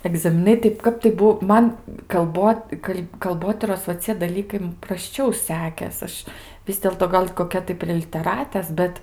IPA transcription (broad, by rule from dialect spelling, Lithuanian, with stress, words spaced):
ɛɡzɐmʲɪˈnɐɪ tɐɪ ˈkɐp tɐɪ ˈbuɔ ˈmɐn kɐlˠˈboːt ˈkɐlʲ kɐlˠˈboːtʲiːroːs ʋɐ ˈt͡sʲiɛ dɐˈlʲiːkɐɪ m prɐsʲˈt͡ʃʲɛʊ ˈsʲæːkʲeːs ˈɐʃ ˈʋʲɪs dʲeːlˠtoː ˈɡɐlʲ koːˈkʲɛ tɐɪ pʲrʲiɛ lʲɪtʲɛˈrɑːtʲeːs ˈbʲɛt